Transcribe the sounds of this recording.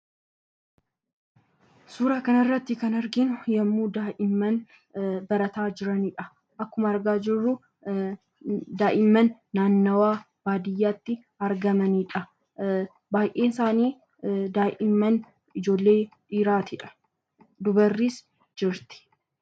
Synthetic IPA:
suːɾaːkɐnrːɐt̪ːɪkɐnɐɾɡɪnʊjɐmːuːd̪aːʔɪmːɐn | bɐɾɐt̪aːd͡ʒɪɾɐniᶑɐ | ʔɐkːʊmɐːɾɡaːd͡ʒɪrːʊ | d̪aːʔɪmːɐnːaːnːɐwaː | b̥aːd̪ɪjːaːt̪ːɪ | ɐɾɡɐmɐniːᶑɐ | baːjʔeːsaːniː | d̪aːʔɪmːɐn | ɪd͡ʒo̞ːlːe̞ːᶑiːɾaːt̪ɪᶑɐ̥ | d̪ʊbɐrːiːs | d͡ʒɪɾt̪ɪ̥

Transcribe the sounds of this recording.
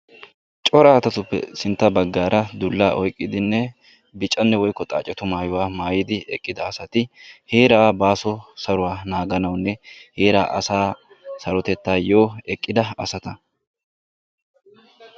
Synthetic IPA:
t͡ʃʼɔɾaːt̪ɐt̪ʊpːɛ̰sɪnt̪ːɐbɐɡːaːɾʔɐd̪ʊlːaːʔɔjkʼːɪd̪ɪnːɛ | bɪt͡ʃʼːɐnːɛwɔjkːɔt̪ʼa̰ːt͡ʃʼɛt̪ʊmaːjʊwaːmaːjɪd̪ɪɛkʼːɪd̪ɐːsɐt̪ɪheːɾaːbaːsɔsɐɾʊwaːnaːɡɐnɐwnːɛhe̞ːɾaːʔɐ̰saː | sɐɾɔt̪ɛt̪ːaːjoːɛkʼːɪd̪ɐɐsɐt̪ɐ

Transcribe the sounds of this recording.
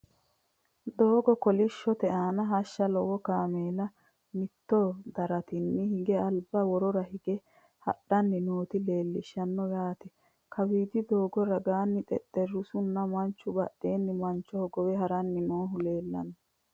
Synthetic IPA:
d̪oːɡɔkɔlɪʃːɔt̪ɛʔaːnɐɦɐʃːɐlɔwɔkaːmeːlɐ | mɪt̪ːɔd̪ɐɾɐt̪ɪnːɪhɪɡɛɐlbɐwɔɾɔɾɐhɪɡɛ | hɐ̰ɗɐnːɪnoːt̪ɪle̞ːlːɪʃːɐnːɔjaːt̪ɛ | kʰɐwiːd̪ɪd̪o̞ːɡɔɾɐɡaːnːɪt̪ʼɛ̰t̪ːɛɾːʊsʊnːɐmɐnt͡ʃːʊbɐ̰ɗːe̞ːnːɪmɐnt͡ʃːɔhɔɡɔwɛɦɐɾɐnːɪnoːɦʊle̞ːlːɐ̰nːɐ

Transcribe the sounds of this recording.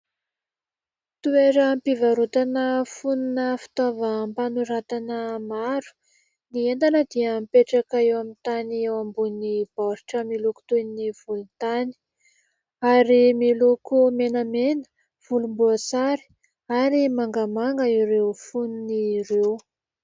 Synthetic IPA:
t̪ueɾəmpivaɾot̪anəfununəfi̥t̪ovəmpanuɾat̪anəmaɾu̥ | niend̪anəd̪iəmpeʈ͡ʂakaewamint̪aniewambunib̥ɔɾʈ͡ʂəmiluku̥t̪univ̥ulut̪ani̥ | aɾimilukumenəmenə̥ | v̥ulumbuəsaɾi̥ | aɾimaŋɡəmaŋɡəiɾewfununiɾew

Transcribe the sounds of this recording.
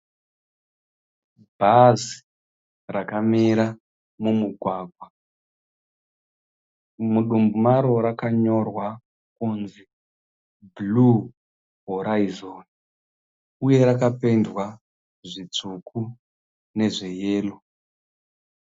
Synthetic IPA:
bʱazi̥ | rakamiɾa | mumuɡʱwaːɡʱwa | muɗumbumaɾo̞ɾakaɲo̞rwa | kunzi | blu | ɦoɾaizon | uje̞ɾakape̞ndwa | ʐit͡sukʰu | ne̞ʐejeːlo

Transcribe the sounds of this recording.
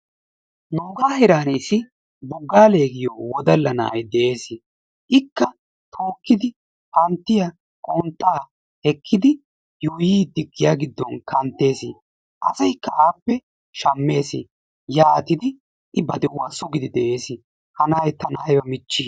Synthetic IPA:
noːɡaːhɛɾaːniːsɪ | bʊɡːaːleːɡɪjoːwɔd̪ɐlːɐnɐ̰ʔɐ̰jd̪ɛʔe̞ːsɪ | ʔɪkːɐ | t̪ʰo̞ːkːɪd̪ɪ | hɐnt̪ːɪja | kʼoːnt̪ːaː | hɛkʰːɪd̪ɪ | juːjiːd̪ɪɡːɪjaːɡɪd̪ːɔnkɐnt̪ːe̞ːsɪ̰ | ʔɐ̰sɐjkːɐʔaːpːɛ | ʃɐmːe̞ːsɪ̰ | jaːt̪ɪd̪ɪ | ʔɪbɐd̪ɪwwaːsʊɡɪd̪ɪd̪ɛʔeːsɪ | hɐnaːjt̪ɐnaːjwɐmɪt͡ʃːiː

